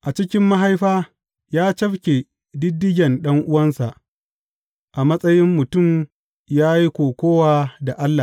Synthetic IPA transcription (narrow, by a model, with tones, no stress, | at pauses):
ʔa˨t͡ʃɪ˦kʲɪ˦mːa˦ɦa˦jɸaː˦ | jaː˦t͡ʃɐ˦ɸkʲe˨ | dɪ˦dːɪ˦ɡʲɛ˨nɗɐ˦ŋʔʊ˦wɐ˦nsa˨ʔ | ʔa˨mɐ˦sʼɐ˦jɪ˦mːʊ˨tʊ˦˨m | jaː˦ji˦kʷoː˨kʷoː˦waː˦da˨ʔa˦lːa˨